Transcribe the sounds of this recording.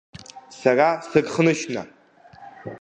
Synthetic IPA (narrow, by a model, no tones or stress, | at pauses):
sarasɨɡʼχənɨʃna̰